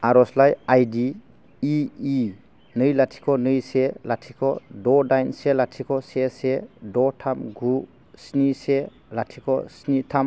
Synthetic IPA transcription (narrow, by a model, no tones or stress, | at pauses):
aɾɔslajajdiː | nɯjlatʰi̥kʰɔnɯjselatʰikʰɔdɔdajnselatʰikʰɔsesedɔtʰamɡu | snise | latʰikʰɔsnitʰam